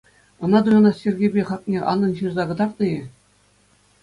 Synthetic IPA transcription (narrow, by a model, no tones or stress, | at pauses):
ɤ̆nɑd̪ujɑ̆nɑsʲerʲɡʲebʲeχɑk̚nʲeʔɑ̰nːɤ̆nɕɯrzɑɡɤ̆d̪ɑrt̪ɤ̆jɘ̆